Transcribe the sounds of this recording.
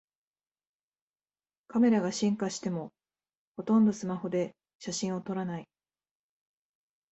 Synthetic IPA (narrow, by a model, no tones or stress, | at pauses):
kame̞ɾaɡaɕĩŋkaɕi̥t̪e̞mo̞ | ho̞t̪õ̞nd̪o̞sɨmaho̞d̪e̞ | ɕaɕĩɰ̃o̞t̪o̞ɾanai